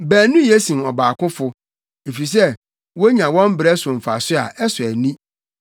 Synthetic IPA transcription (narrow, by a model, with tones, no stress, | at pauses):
bæː˨nʊ̃˦je˦sĩ˨nɔ˨baː˨kʊ̃˦fʊ˨ | e˨fi˨s̬ɛ˦ | wo˦ɲã˨wɔ̃˦m˦bɾɛ˦sʊ̃˨m̩˨fa˨sʊ˦a̰˨ʔɛ˦sʊ˨æ˨nĩ˦